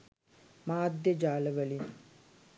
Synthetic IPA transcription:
maːd̪jəd͡ʒaːləʋəli

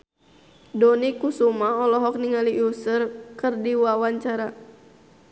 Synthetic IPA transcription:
dɔnikusumaɔlɔɦɔk̚niŋaliʔusərkɨrdiwawaɲt͡ʃaɾa

